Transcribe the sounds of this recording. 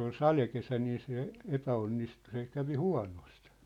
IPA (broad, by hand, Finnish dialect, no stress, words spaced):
ol sɑlekesæ niː se epæonːistu se kæʋi huɑ̝nost